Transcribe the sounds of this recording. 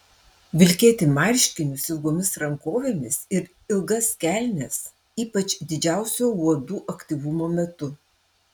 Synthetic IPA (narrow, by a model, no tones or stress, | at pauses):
ʋʲɪlʲkʲeːt̪ʲɪmɑɾʲʃʲkʲɪnʲʊsɪlˠɡoːmʲɪsɾɐŋkoːʋʲemʲɪsɪɾ | ɪlˠɡɐskʲæˑlʲnʲɛs | iːpɐt͡ʃʲd̪ʲɪd͡ʒʲæˑʊsʲoːuɔd̪uːʔɐkʲt̪ʲiːʋʊmoːmʲɛt̪ʊ